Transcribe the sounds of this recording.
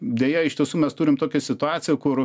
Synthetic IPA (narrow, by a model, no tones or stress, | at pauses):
d̪ʲeːjɛɪʃt̪ʲiɛsuːmʲɛst̪uːɾʲɪmt̪oːkʲɛsʲɪt̪ʊɑːt͡s̪ʲɪjɛkʊr